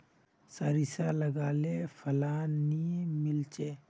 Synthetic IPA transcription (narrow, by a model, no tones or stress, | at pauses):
saːɾisaləɡaːlefʰəlaːnːimɪlt͡ʃeː